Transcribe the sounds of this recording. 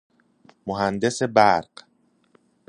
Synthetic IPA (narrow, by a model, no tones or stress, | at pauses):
moɦænd̪e̞sebæɾɢ̥